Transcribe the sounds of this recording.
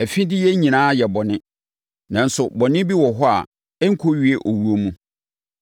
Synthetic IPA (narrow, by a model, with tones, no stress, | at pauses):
ɛ˨fĩ˦dɪ˦jɛ˦ɲĩ˨nãː˦jɛ˨bɔ˨nɪ̃˦ | nã˨n̩˨sʊ˨bɔ˨nɪ̃˦bi˦wɔ˨ɦɔ˦a̰˨ | ɛ˦ŋ̩˦kʰo˦ɥi˦e˦ʔo˨wu˦o˦mũ˦